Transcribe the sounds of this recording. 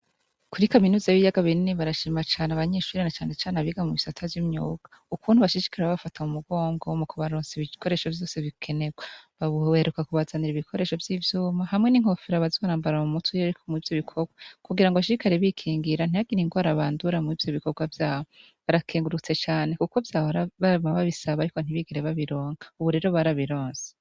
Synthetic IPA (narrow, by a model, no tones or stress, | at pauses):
kuɾikaminuːzaβijaɡaβininiβaɾaʃiːmat͡ʃaːneaβaɲeːʃuːɾinat͡ʃaːnet͡ʃaːnaβiɡamuβisatʰavjimɲuːɡa | ukuːnhuβaʃid͡ʒi̥kʰiɾeβaβafatʰaumuɡo̞ːŋɡomukʰoβaɾoːnzeiβiko̞ɾe̞ːʃo̞vjo̞ːse̞βikʰe̞ne̞ɡwaβaβheɾukakuβazaniɾiβikʰo̞ɾe̞ːʃo̞vjivjuːmaɦamŋe̞niŋ̥o̞fiɾaβazoːɾaːmbaɾamumutujeɾikomivjo̞βikʰoɡwakuɡiɾaŋɡoβaʃiɾikaɾeβikʰiːŋɡiɾan̥ijaɡiɾiŋɡwaɾaβaːnduɾamiːvjoβiko̞ɡwavjaːwo | βaɾakʰeːŋɡuɾut͡se̞t͡ʃaːne̞kuko̞vjaːɾaβamaβaβisaβaɾikon̥iβiɡeɾeβaβiɾo̞ːŋɡauβuɾe̞ːɾo̞βaɾaβiɾo̞ːnse̥